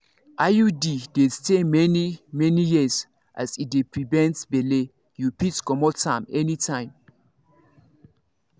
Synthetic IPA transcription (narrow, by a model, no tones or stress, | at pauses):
ʔajudidestemɛnimɛnijis | ʔa̰sidepɹivɛ̃ntsbɛle | jupitkɔmɔtʰãmɛnitʰãɪ̃m